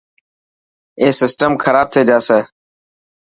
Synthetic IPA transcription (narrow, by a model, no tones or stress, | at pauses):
eːsɪsʈəmkʰəɾaːb̚t̪ʰeːd͡ʒaːseː